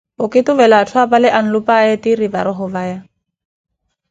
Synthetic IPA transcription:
ʊkʼɪtʊvɛlatʰʊapalɛʔan̩lʊpʼaetiɾibaɾɔɦʊvaːja

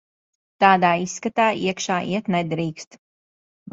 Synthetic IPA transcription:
t̪aːd̪aːisːkat̪aːʔiɛkʃaːʔḭɛt̪nɛd̪ɾiːkst̪

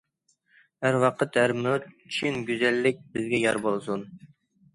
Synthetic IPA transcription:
hæɾwɑqʰət̪hæɾmøt̪̚t͡ʃʰinɡʲyzɛlːɪk̚ʲbɪzɡʲɛjɑɾbolˠsun

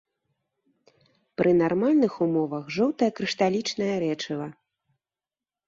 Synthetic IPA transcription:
pɾʔɨnarmalʲnɨxumɔvɐxʐɔwt̪ɐjɐkɾɨʂt̪alʲit͡ʂnɐjɐɾɛt͡ʂɨvɐ

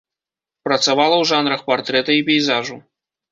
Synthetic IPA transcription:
pɾɐt̪savalˠɐwʐanɾɐxpart̪ɾɛt̪ɐipʲɛjzaʐu

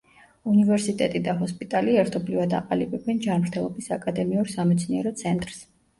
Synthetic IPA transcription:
univɛɾsit̪ʼɛt̪ʼid̪aɦɔspʼit̪ʼaliɛɾt̪ʰɔblivad̪a̰qʼalibɛbɛnd͡ʒanmɾt̪ʰɛlˠɔbisakʼad̪ɛmiuɾsamɛt̪sʰniɛɾɔt̪sʰɛnt̪ʼɾs

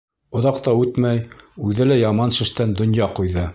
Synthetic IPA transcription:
ŏðɑqt̪ɑʉt̪mæjʉðɘlæjɑmɑnʃɘ̆ʃt̪ænd̪ŏnjɑqujðɤ

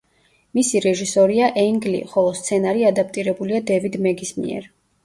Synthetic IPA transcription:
misiɾɛʒisɔɾiaʔɛŋɡlḭχɔlˠɔst̪sʰɛnaɾiad̪ap̚ʰt̪ʼiɾɛbuliad̪ɛvid̪mɛɡismḭɛ̰ɾ

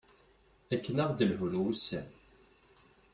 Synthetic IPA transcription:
ækːənəʁd̪əlɦulusːæn

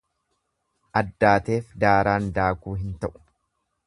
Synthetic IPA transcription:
ʔɐd̪ːaːt̪e̞ːfd̪aːɾaːnd̪aːkuːɦɪnt̪ɐʔʊ̥

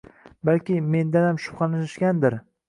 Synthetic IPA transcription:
balkʲɪme̞nd̪anamʃʊ̥pχɑnɪʃʃkʲand̪ɪɾ

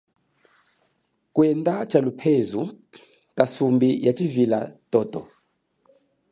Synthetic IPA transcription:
kwɛndʼat͡ʃʰʼalupʰezu | kʼasumbijat͡ʃʼivila̰tɔtɔ̰

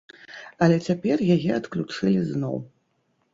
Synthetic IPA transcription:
ɐlʲɛt͡sʲapʲɛrjajɛɐt̪klʲut͡ʂɨlʲiznɔ̰w

